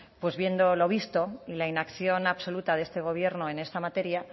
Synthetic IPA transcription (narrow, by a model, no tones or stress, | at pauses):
pwe̞zβje̞nd̪o̞lo̞β̞ist̪o̞ilainakθjo̞naβso̞lut̪aðe̞st̪e̞ɣ̞o̞β̞je̞ɾno̞e̞ne̞st̪amat̪e̞ɾja